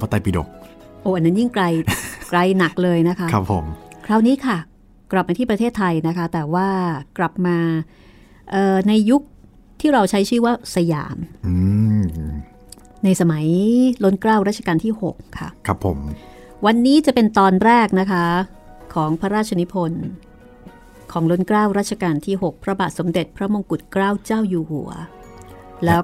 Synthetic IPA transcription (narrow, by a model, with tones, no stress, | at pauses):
pʰa˧t̪a˧jpi˨˧do̰˨˩k̚ʔoː˧˩ʔa˧nːa˦˥nji˥˩ŋkɾa˧jkla˧jna˨˩k̚lɤː˧jna˦˥kʰa˦˥kɾa˦˥pʰːo̰˩˦mkʰɾaː˧˩wniː˦˥kʰa˥˩ | kla˨˩p̚maː˧t̪ʰiː˥˩pɾa˧t̪ʰeː˥˩t̪ʰːa˧jna˦˥kʰa˦˥t̪ɛː˨˩waː˥˩kla˨˩p̚maː˧ | ʔɤː˨˩na˧jːu˦˥k̚ | t̪ʰiː˥˩ɾa˧wt͡ɕʰa˦˥jt͡ɕʰɯː˥˩waː˥˩sa˧ja̰ː˨˩˦mʔɯː˧ | na˧jsa˧ma˩˦jlo˦˥nkɾaː˥˩wɾa˥t̪̚ʰa˧kaː˧nt̪ʰiː˥˩ho̰˨˩k̚ʰːa̰˦˥˩kʰa˦pʰːo̰˩˦m | wa˧nːiː˦˥t͡ɕa˨˩pe˧nt̪ɔː˧nɾɛː˥˩k̚na˦˥kʰa˦˥ | kʰɔː˩˦ŋpʰa˦˥ɾaː˥˩t̪̚t͡ɕʰa˧ni˦˥pʰo˧n | kʰɔː˩˦ŋlo˦˥nkɾaː˥˩wɾaː˥˩t̚t͡ɕʰa˧kaː˧nt̪ʰiː˥˩ho˨˩k̚pʰɾa˧baː˨˩t̪̚so˩˦mde˨˩t̪̚pʰɾa˦˥mo˧ŋku˨˩t̪̚kɾaː˥˩wt͡ɕaː˥˩wjuː˧hṵ˨˩˦ɐ | lɛː˦˥